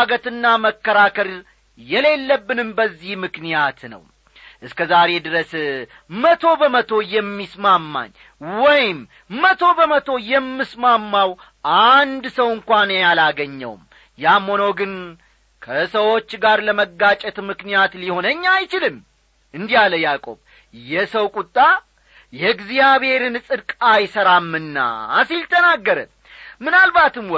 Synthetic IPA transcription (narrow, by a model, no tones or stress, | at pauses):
ɡət̪ɨnːaməkːəɾakəɾ | jɛle̞lːəbːɨnɨmbəzːihmɨknijat̪nə̰w | ʔɨskəzaɾe̞d̪ɨɾəs | mət̪ʰo̞bəmət̪ʰo̞jɛmːismamːa̰ɲː | wɔjɪm | mət̪ʰo̞bəmət̪ʰo̞jɛmːɨsmamːaw | ʔand̪səwɨŋkʷanjalaɡəɲːə̰w̰m | jamo̞noɡɨn | kʰəsəwo̞t͡ʃːɡaɾləməɡːat͡ʃʼɛt̪mɨknijat̪liho̞nəɲːajt͡ʃɪlɨm | ɨnd̪ijaləjakʼo̞̰β | jɛsəwkʼut̪ʼːa | jɛɡzijaβhe̞ɾɨnsʼɨd̪kʼajsəɾamːɨnːa̰silt̪ʰənaɡːəɾə̰n | mɨnalbat̪ɨmw